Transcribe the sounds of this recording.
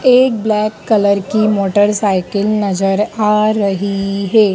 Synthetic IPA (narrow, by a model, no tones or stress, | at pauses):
eːk̚blɛːkːɐləɾkimoːʈəɾsaːɪkɪlnɐzəɾaːɾɐɦiɦeː